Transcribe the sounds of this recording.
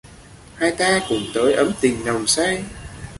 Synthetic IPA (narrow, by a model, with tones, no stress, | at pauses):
haː˧jt̪aː˧kʊ̰˧˩˦ŋ͡mt̪əː˨˦jʔə˨˦mt̪ï˨˩ŋ̟nə˨˩wŋ͡msa˧j